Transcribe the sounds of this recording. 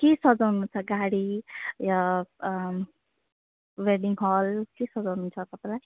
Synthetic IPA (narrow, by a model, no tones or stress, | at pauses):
kesʌd͡zʌwnut͡sʰʌɡaɽija | weɖiŋɦɔlkesʌd͡zʌwnunt͡sʰʌt̪ʌpalaj